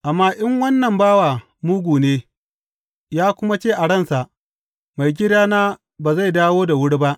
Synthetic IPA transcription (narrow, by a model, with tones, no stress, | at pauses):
ʔa˨mːaː˦ʔɪ˦ŋwɐ˦nːɐ˨mbaː˦waː˨ | mʊ˦ɡʷuː˨neː˦ | jaː˦kʷʊ˦ma˦t͡ʃeː˦˨ʔa˨ɽɐ˦˨nsa˨ʔ | ma˨jɡʲɪ˦daː˦naː˦ | baː˨za˦˨jdaː˦woː˦da˨wʊ˦ɽba˦ʔ